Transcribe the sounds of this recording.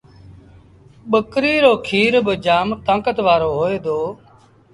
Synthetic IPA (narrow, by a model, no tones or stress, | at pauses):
ɓəkɾiːɾoːkʰiːɾbəd͡ʒaːmt̪ãːkət̪ʋaːɾoːɦoːeːd̪oː